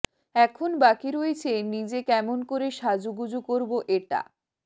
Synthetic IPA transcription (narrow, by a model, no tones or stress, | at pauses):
ɛkʰonbakiɾoet͡ɕʰenid͡ʑekɛmonkoɾeʃad͡ʑuɡud͡ʑukoɾboʔeʈa̰